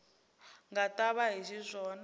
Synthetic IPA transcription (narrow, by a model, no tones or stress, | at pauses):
ŋɡatʼaβaɦizizʷɔːn